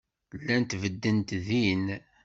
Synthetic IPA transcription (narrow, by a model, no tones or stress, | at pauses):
lːænt̪vəd̪ːənt̪ðin